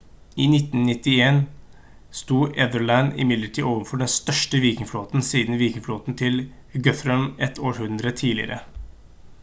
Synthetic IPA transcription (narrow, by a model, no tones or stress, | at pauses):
iːnɪt̪ːn̩nɪt̪ːɪeːn | st̪uːʔɛd̪əɭænɪ̰mɪd̪ləʈʰiːʔoːʋənfɔɖɛnst̪œʂʈəʋiːkɪŋfloːt̪n̩siːd̪n̩ʋiːkɪŋfloːt̪n̩t̪ʰɪl | ɡœθɾœmɛt̪ʰːoːɾhʉnd̪ɾət̪ʰiːlɪ̰ə̰ɾə̰